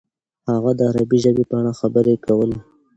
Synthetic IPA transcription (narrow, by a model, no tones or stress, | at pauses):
haɣad̪əaɾabiʒəbepaɽ̃axabəɾekawəla